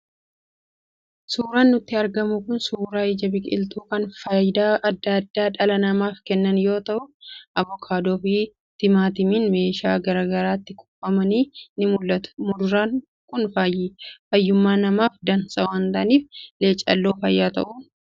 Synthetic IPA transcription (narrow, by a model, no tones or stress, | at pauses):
suːɾaːnːʊt̪ːɪɐɾɡɐmʊkʊnsuːɾaːɪd͡ʒɐbɪkʼɪ̰lt̪uːkɐnfɐjd̪aːʔɐd̪ːɐd̪ːaːᶑɐlɐnɐmaːfkɛnːɐnjo̞ːt̪ɐʔʊʔɐbɔkʰaːd̪oːfiː | t̪ɪmaːt̪ɪmiːnme̞ːʃaːɡɐɾaːɡɐɾaːt̪ːɪkʰʼʊ̥pʼːɐmɐniːnɪmʊlːɐt̪ʊ̥mʊɾɾaːn | kʊnfaːjiːfɐjːʊmːaːnɐmaːfd̪ɐnsʼɐwɐnt̪ɐʔɐniːfle̞ːt͡ʃʼɐ̰lːo̞ːfɐjːaːt̪ɐ̰ʔuːn